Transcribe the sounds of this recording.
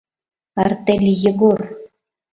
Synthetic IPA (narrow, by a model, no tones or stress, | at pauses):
ɑrt̪elʲjə̆ɣor